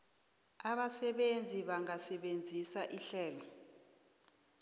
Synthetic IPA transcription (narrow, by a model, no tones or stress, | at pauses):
aɓasɛɓend͡zʱiɓaŋasɛɓend͡zʱisaʔiɬɛːlɔ